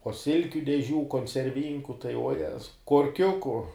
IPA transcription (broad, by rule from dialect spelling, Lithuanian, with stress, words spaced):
uɔ ˈsʲɪlʲkʲʊ dʲɛˈʒʲuː koːnʲt͡sʲɛrʲˈʋʲiːŋkʊ tɐɪ uɔˈjæːzɐʊ koːrʲˈkʲʊkʊ